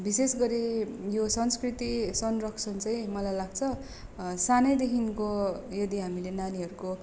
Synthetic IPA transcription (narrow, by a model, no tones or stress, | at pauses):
bisesɡʌɾijosʌnskrit̪isʌnrʌksʌnt͡sʌj̃mʌlajlaɡt͡sʰʌ | sanʌjd̪ekʰinkojʌd̪iɦamilenaniɦʌɾuko